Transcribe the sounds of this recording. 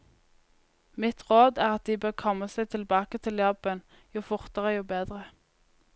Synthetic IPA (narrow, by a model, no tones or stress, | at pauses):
mɪt̪ʁoːd̪æːʁɑt̪̚d̪iːbøːʁkʰɔmːəsɛt̪ʰɪlbɑːkət̪ʰɪljɔbən | juːfʊʁt̪əʁəjuːbeːd̪ʁə